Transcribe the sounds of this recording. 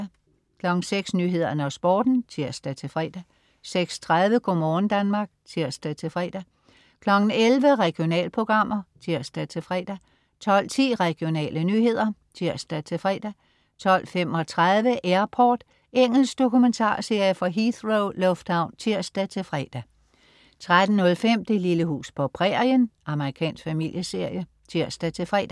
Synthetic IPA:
kʰlɒ̽ɡ̥n̩seɡ̥snyːɦe̝ð̰ˠɐnəɒsb̥ɒ̰ːd̥n̩t͡sʰiɐ̰sd̥æt͡sʰe̝fʁɛ̰ːd̥æ | seɡ̥st͡sʰʁaðˠʋəkʰomɒːn̩d̥ænmɑ̈ːɡ̥̚t͡sʰiɐ̰sd̥æt͡sʰe̝fʁɛ̰ːd̥æ | kʰlɒ̽ɡ̥n̩elʋəʁɛɡ̥ijo̝nɛ̰ːlpʰʁo̝ɡ̥ʁɑ̈m̰ɐt͡sʰiɐ̰sd̥æt͡sʰe̝fʁɛ̰ːd̥æ | t͡sʰɒ̽l̰t͡sʰḭːʁɛɡ̥io̝nɛ̰ːlənyːhe̝ð̞̰ˠɐt͡sʰiɐsd̥æt͡sʰe̝fʁɛ̰ːd̥æ | t͡sʰɒ̽l̰fem̰ɒ̽t͡sʰʁað̞ˠʋəʔæɐpʰɒːd̥ | eŋ̰l̩sɡ̥d̥o̝kument͡sʰɑ̰̈ːse̝ɐ̰jəfɒ̽ɦiθʁoʊlɔ̽fd̥ɑ̈ʊnt͡sʰiɐ̰sd̥æt͡sʰe̝lfʁɛːd̥æ | t͡sʰʁad̥n̩nɔ̽lfem̰d̥əililəɦṵːspʰɒ̽pʰʁɛɐjənʔɑ̈məʁikʰɛ̰ːnsɡ̥fæmil̰jəse̝ɐ̰jə | t͡sʰiɐ̰sd̥æt͡sʰe̝fʁɛ̰ːd̥æ

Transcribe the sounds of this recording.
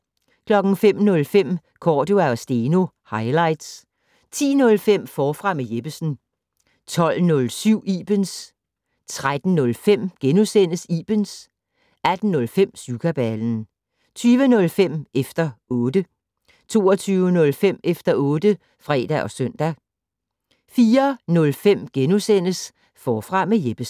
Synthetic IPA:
kʰlɒ̽ɡ̥n̩fem̰nɔ̽lfem̰ | kʰɒːduæɒ̽sd̥e̝ːno̝ | hɑ̈ɪlɑ̈ɪ̰d̥s | t͡sʰḭːnɔ̽lfem̰fɒːfʁɑ̈mejeb̥əsn̩ | t͡sʰɒ̽l̰nɔ̽lsyʊ̰ib̥əns | t͡sʰʁad̥n̩nɔ̽lfem̰ɡ̥enusen̰əsiːb̥əns | æd̥n̩ːɔ̽lfem̰sukʰæb̥æln̩ | t͡sʰyːʋənɔ̽lfem̰ʔefd̥ɐɔ̽ːd̥ə | t͡sʰo̝̰ːɒt͡sʰyːʊənɔ̽lfem̰efd̥ɐɔ̽ːd̥ə | fʁɛ̰ːd̥æʔɒ̽sœn̰d̥æ | fiːɐnɔ̽lfem̰ɡ̥enusen̰əs | fɒːfʁɑ̈mejeb̥əs

